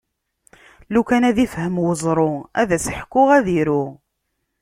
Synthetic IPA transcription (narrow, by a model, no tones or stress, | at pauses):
lukænæðifhəmwəzˤɾˤoæ̰ðæsəħkːʊʁæðiɾu